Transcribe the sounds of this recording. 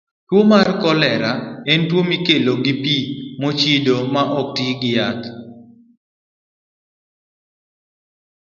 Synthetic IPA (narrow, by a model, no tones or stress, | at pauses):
twomarkɔlɛɾaɛntwomikeloɡipimot͡ʃidomaʔɔk̚tiɡɪjat̪